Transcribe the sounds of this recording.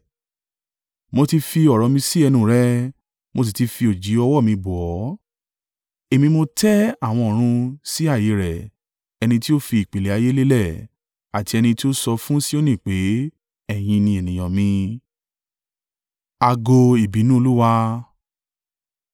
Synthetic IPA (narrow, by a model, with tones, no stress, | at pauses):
mo˧ti˧fi˧ɔ˨ɾɔ˨˧mĩ˧si˦ɛ˧nũ˧˨ɾɛ˦ | mo˧s̬i˧ti˧fi˧o˨d͡ʒi˨˦ɔ˧wɔ˦˨mĩ˧bu˨ɔ˨˦ | e˨mĩ˧mo˧tɛ˦a˦˨w̃ɔ̃˧ɔ˨ɾ̃ũ˧si˦a˦˨je˨˦ɾɛ˨ | ɛ˧nĩ˧ti˦o˦fi˧i˨k͡pe˨le˨a˨˧je˦le˦lɛ˦˨ | a˨ti˧ɛ˧nĩ˧ti˦o˦sɔ˧fũ˦si˦o˦nĩ˦˨k͡pe˨˦ | ɛ˦˨j̃ĩ˧nĩ˧e˨nĩ˨j̃ɔ̃˨mĩ˧ | a˧ɡo˧i˨bi˨˦nũ˦o˧lu˦wa˧